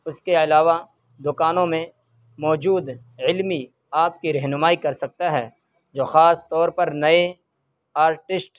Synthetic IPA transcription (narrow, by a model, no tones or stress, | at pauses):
ʊskeɐlaːʋa | d̪ʊkaːnõmẽ | mɔːd͡ʒuːd̪ | ɪlmi | aːp̚kiɾɛɦnʊmaːikɐɾsɐk̚t̪aɦɛː | d͡ʒoːxaːst̪ɔːɾpɐɾnɐe | aːɾʈɪsʈ